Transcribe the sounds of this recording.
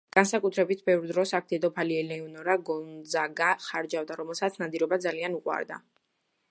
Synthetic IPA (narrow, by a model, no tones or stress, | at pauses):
ɡ̥ansakʼut̪ʰɾɛbit̪̚ʰbɛvɾd̪ɾɔsak̚ʰt̪ʰɛd̪ɔpʰaliɛlɛɔnɔɾaɡɔnzaɡaχaɾd͡ʒavd̪aɾɔmɛlˠsat̪sʰnad̪iɾɔbad̪zalianuqʼwa̰ɾd̪a̰